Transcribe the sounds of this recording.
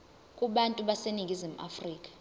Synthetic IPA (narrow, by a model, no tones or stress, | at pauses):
kʼuɓantʼuɓaseniŋɡ̬ʱʼizim̩ʔa̰friːkʼḁ